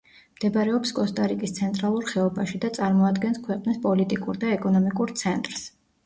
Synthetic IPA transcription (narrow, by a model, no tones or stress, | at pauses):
md̪̥ɛbaɾɛɔpskʼɔst̪ʼaɾikʼist̪sʰɛnt̪ʼɾalˠuɾχɛɔbaʃid̪at̪sʼaɾmɔad̪ɡɛnskʰwɛqʼnispʼɔlit̪ʼikʼuɾd̪aɛkʼɔnɔmikʼuɾt̪sʰɛnt̪ʼɾs